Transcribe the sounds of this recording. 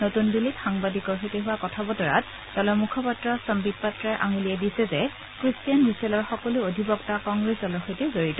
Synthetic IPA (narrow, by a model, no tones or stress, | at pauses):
notunbilitxaŋbadikɔɹɦojtɛɦʊwakɔtʰabɔtɔɹa̰t̚ | tɔlɔmukʰɔpatɹɔsɔmbit̚patɹaɹʔa̰ŋiliɛdisɛzɛ | kɹistijanɹisɛlɔɹxɔkɔluodʱibɔktakɔŋɡɹesɔlɔɹxojtɛzoɹitɔ